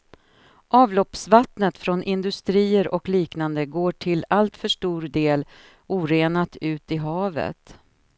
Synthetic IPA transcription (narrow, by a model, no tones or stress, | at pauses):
ʔɑːvlɔpsvat̪nət̪fɾɔnʔɪnd̪ɵst̪ɾiːəɾʔɔkliːknand̪əɡoːʈʰɪlalt̪fœʂʈuːɾd̪eːl | uːɾeːnat̪ʉ̟ːt̪ɪɦɑːvə̰t̪